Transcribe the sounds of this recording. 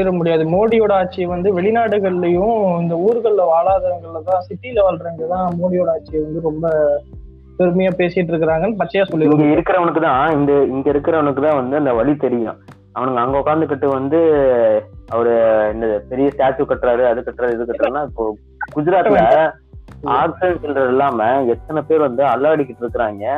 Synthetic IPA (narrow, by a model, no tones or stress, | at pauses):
ɪɾɐmʊɽɪjaːðɯmoːɽɪjoːɽaːʈ̚t͡ʃːiʋɐnd̪ɯʋɛɭɪnaːɽɯɣɐɭlɐjʊ̃ɪnd̪ɐuːɾɯɣɐɭɪlɐʋaːɭaːðɐŋɡɐɭɪlɐt̪ãːsɪʈːɪɪlɐʋaːlɾeːŋɡɐɭɐt̪ãːmoːɽɪjoːɽaːt͡ʃɪjɛʋɐnd̪ɯɾɔmbɐ | pɛɾɯmɐjaːpeːsɪjɪʈːɪɾɯk̬ːɪɾaːŋɡɐnːɯpɐt͡ʃːɐjaːsɔlːɪɾɐŋɡeɪɾɯkːɪɾɐʋɐnɐkːɯt̪ãːɪnd̪ɐɪŋɡɐɪɾɯkːɪɾɐʋɐnɐkːɯt̪ãːʋɐnd̪ɯɐnd̪ɐʋɐɭit̪ɛɾɪjʊ̰̃ | ɐʋɐnɯŋɡɐːŋɡɐɔkaːnd̪ɯk̬ːɐʈːɯʋɐnd̪ɯ | ɐʋɐɾɯɛnd̪ɐðɯpɛɾɪjɐsʈaːt͡ʃːɯkːɐʈːɾaːɾɯɐðɯkːɐʈːɾaːɾɛðɯkːɐʈːɾanːaːo | kʊd͡ʒɪɾaːt̪ːɪlɐ | aːksɪɖɛɳʈsɛndrɐðɛlːaːmɐɛt̪ːɐnɐpeːɾʋɐnd̪ɯɐlːaːɽɪkːɪʈːɪɾɯkːɯɾaːŋɡɐ